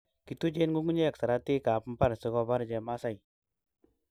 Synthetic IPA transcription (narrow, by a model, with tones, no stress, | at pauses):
ki˨tu˦d͡ʒe˦nɡu˦ŋɡu˦ɲe˦ja˨ksa˨ɾa˦t̪i˦ka˨p̩˦pa˦˨ɾse˦ɡɔ˦˧ba˦ɾd͡ʒɛ˧˨ma˦sa˦j